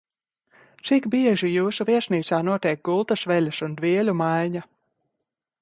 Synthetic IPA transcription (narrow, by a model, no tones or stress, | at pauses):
t̪sikbiɛʒijuːsuviɛʃniːt̪saːnuɔt̪ʲɛɛk̚ɡulˠt̪asvɛlʲasund̪viɛlʲumajɲa